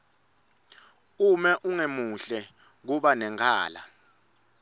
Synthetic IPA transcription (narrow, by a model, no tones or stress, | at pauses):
umɛʔuŋemuɬɛ | k̬uɓanɛŋkʰa̰ːla̰